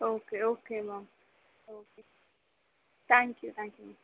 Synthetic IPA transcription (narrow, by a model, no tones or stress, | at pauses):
okeokewãŋ | oke | t̪ãŋkjut̪ãŋkjua